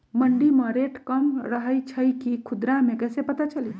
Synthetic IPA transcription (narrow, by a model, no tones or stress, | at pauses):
məɳɖimə̃ɾeʈkəmɾəɦəjt͡ʃʰəjkikʰʊd̪ɾamẽkɛsepət̪at͡ʃəli